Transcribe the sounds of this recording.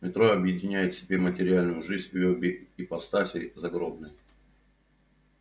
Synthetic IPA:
mʲɪt̪ɾoɐbjɪdʲɪnʲæjɪt̪sʲɪbʲe̞mətʲɪɾʲɪalʲnʊjʊʐɨzʲobʲɪipɐst̪asʲɪ̰zɐɡɾo̞bnɨj

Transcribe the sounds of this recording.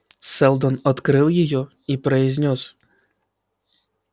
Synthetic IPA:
sɛlˠd̪ɔnɔt̪kɾɨlˠjɪjɔ | ipɾɐizʲnʲɔs

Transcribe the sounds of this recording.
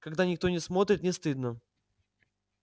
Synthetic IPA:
kaɡd̪anʲɪk̚t̪o̞nʲɪsmo̞t̪ɾʲɪt̪nʲɪst̪ɨd̪nə

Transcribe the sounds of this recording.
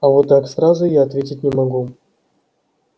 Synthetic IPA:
avot̪ːaksrazʊjaːt̪vʲetʲɪtʲnʲɪmaɡu

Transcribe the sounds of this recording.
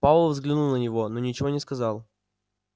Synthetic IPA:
pavlˠvzɡlʲɪnulˠnənʲɪvo̞nonʲɪt͡ɕɪvo̞nʲɪskɐzɑlˠ

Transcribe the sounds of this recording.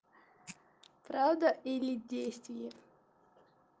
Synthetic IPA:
pɾavd̪əʔilʲɪdʲejst̪vʲɪjə

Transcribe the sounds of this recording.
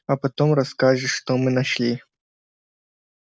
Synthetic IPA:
ɐpɐt̪omrɐskaʐɨʂt̪omɨnɐʂlʲi

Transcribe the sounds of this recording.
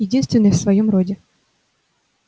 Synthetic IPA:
ɪdʲinst̪vʲɪnːəjfsvɐjomrodʲɪ

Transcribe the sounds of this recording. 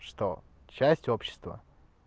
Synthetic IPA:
ʂt̪o̰ | t͡ɕæsʲtʲopɕːɪ̥st̪və̰

